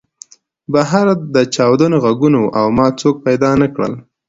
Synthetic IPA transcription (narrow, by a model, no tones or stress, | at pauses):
baɦaɾd̪ət͡ʃɑwd̪anoɣaɡunoʔawmɑt͡sok̚pajd̪ɑnakɽə̰l